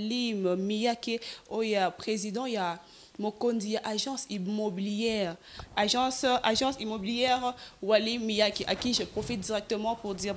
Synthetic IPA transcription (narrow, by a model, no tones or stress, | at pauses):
limmijakeojapχezid̪ɑ̃ja | mokondijaʔaʒɑ̃simobiljɛʁaʒɑ̃sʔaʒɑ̃simobiljɛʁwalimːijakeʔakiʒəpχofit̪̚d̪iʁɛk̚t̪əmɑ̃puʁd̪iʁ